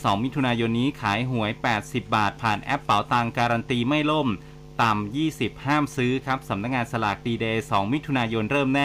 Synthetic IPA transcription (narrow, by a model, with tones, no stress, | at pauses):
sɔː˩˦ŋmi˦˥t̪ʰu˧naː˧jo˧nːiː˦˥kʰaː˩˦jɦu˩˦əjpɛː˨˩t̪̚si˨˩p̚baː˨˩t̪̚pʰaː˨˩nʔɛ˦˥pːa˩˦wt̪aː˧ŋkaː˧ɾa˧nt̪iː˧ma˥˩jlo˥˩m | t̪a˨˩mjiː˥˩si˨˩p̚haː˥˩msɯː˦˥kʰa˦˥p̚sa˩˦mna˦˥k̚ŋaː˧nsa˧laː˨˩k̪̚diː˧deː˧sɔː˩˦ŋmi˦˥t̪ʰu˧naː˧jo˧nɾɤː˥˩mnɛː˥˩